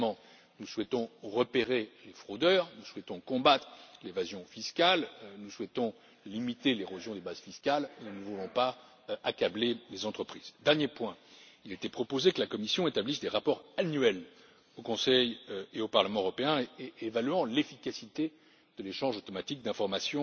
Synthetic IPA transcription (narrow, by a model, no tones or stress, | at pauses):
mɑ̃ | nuswɛt̪ɔ̃ʁəpeʁelefχod̪œʁnuswɛt̪ɔ̃kɔ̃bat̪χlevazjɔ̃fiskʲalnuswɛt̪ɔ̃ | limit̪eleʁozjɔ̃d̪ebaz̥fiskalunəvulɔ̃pa | akablelezɑ̃t̪χəpχiz̥d̪ɛʁnjepwɛ̃ilet̪ɛpχɔpozekəlakɔmisjɔ̃et̪ablisd̪eʁapɔʁanɥɛl | okɔ̃sɛjeopaʁləmɑ̃øʁɔpeɛ̃eevalyɑ̃lefikasit̪e | d̪̥əleʃɑ̃ʒot̪ɔmat̪ik̚d̪ɛ̃fɔʁmasjɔ̃